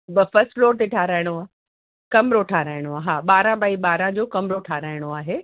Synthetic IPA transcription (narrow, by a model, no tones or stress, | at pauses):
bɐfɐsʈfloːɾt̪eʈʰaːɾaːɪɽ̃oaːɦ | kɐmɾoʈʰaːɾaːɪɽ̃oaːɦaːɓaːɾãbʱaːiɓaːɾãd͡ʑoːkɐmɾoʈʰaːɾaːɪɽ̃oaːɦeː